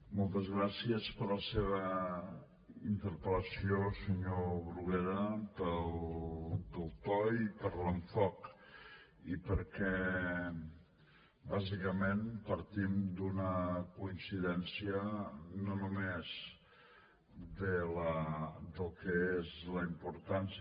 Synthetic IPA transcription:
mɔlˠt̪əzɣɾasiəspəɾləseβə | int̪əɾpələsiosəɲoβɾuɣeɾəpəl | d̪əlˠt̪ɔjipəɾləɱfɔk | ipəɾkɛ | bazikəmenpəɾt̪imd̪unəkuinsiðɛnsiənonumez | d̪ələd̪əlˠkəezləimpuɾt̪ans

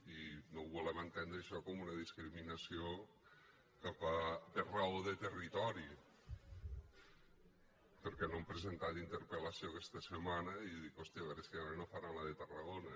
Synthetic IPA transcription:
inowβulɛment̪end̪ɾeʃɔkomunɐðiskɾiminɐsio | kapaperaoðet̪erit̪ɔɾi | peɾkɛnompɾezent̪alint̪eɾpelɐsiokɛst̪ɐsemanɐiðikost̪iaβɛɾeskeaenofanalaðet̪araɣonɐ

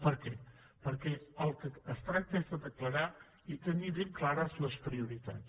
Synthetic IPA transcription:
pəɾkɛ | pəɾkɛəlˠkəːst̪ɾak̚t̪əezðəðəkləɾa | it̪əniβeŋklaɾəzləspɾiuɾit̪a̰t

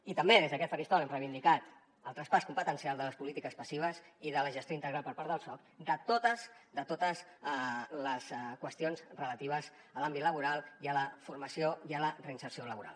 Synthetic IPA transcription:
it̪əmbeðezðəkɛt̪pəɾist̪ɔlɛmrəiβind̪ikat̪ | əlˠt̪ɾəspaskumpət̪ənsialˠd̪ələspulit̪ikəspəsiβ̞əziðələʒəst̪joint̪əɣɾalˠpəɾpaɾðəlˠsɔkd̪ət̪ot̪əzd̪ət̪ot̪əz | ləskwəst̪ionzrələt̪iβ̞əz | əlambit̪ləβuɾalˠiələfuɾməsioiələrəinsəɾsioləβuɾa̰lˠ

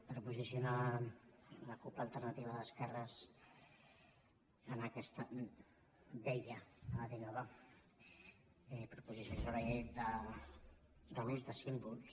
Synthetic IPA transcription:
pɾpuzisjuna | ləkuplaːlˠt̪əɾnat̪iβəðəskɛrəs | ənakɛst̪ə | deʎəaðinaβa | ɛpɾəpuzisjonsaβɾaʎed̪ə | dəβuzðəsimbuls

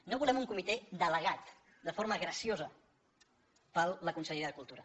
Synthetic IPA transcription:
noβulɛmuŋkumit̪ed̪ələɣat̪ | d̪əfoɾməɣɾəsiozə | pəlˠləkunsəʎeɾəðəkulˠt̪uɾə

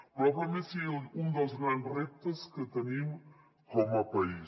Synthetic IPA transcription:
pɾɔpɐmesiund̪əlˠzɣɾandrep̚t̪ɐskət̪ənim | kɔmɐpɐi

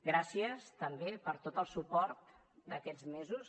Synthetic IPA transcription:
ɡɾasiəst̪əmbepəɾt̪ot̪əlˠsupɔɾt̪ | d̪əkɛd͡zmezus

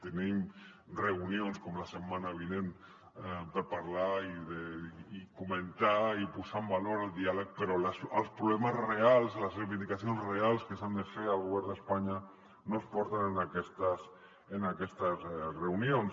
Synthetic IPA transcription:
t̪enimreunionskɔmlasəmːanaβ̞inen | pəɾpaɾlaiðeːkumənt̪aipuzambaloɾalˠd̪ialək̚pəɾɔləsəlˠspɾuβlɛməzrealˠzləzrejβind̪ikasionzrealˠskəsand̪əfeɾalɣuβɛɾnðd̪əspaɲa | nospɔɾt̪anənakɛst̪əs | enakɛst̪əzreunions

